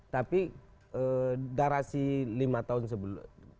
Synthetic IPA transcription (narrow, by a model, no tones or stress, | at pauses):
t̪api | ədaɾasilimat̪aɦʊnsəbəl̰